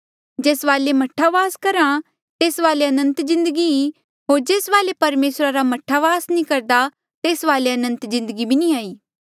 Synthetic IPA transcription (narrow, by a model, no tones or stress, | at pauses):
d͡ʒeːsʋaːlemɐʈʰːaʋaːskɐɾã | t̪eːsʋaːleɐnə̃nt̪zɪ̃nd̪əɡii | ɦoːɾd͡ʒeːsʋaːlepɐɾmeːsɾaɾamɐʈʰaʋaːsnĩkɐɾd̪a | t̪eːsʋaːleɐnə̃nt̪zɪ̃nd̪əɡibʱinĩaːiː